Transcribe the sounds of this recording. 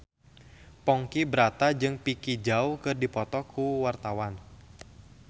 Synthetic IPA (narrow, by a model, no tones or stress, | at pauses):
pɔŋkibəɾat̪ad͡ʒɨŋpikid͡ʒawkɨrdipɔt̪ɔkʰuwart̪awan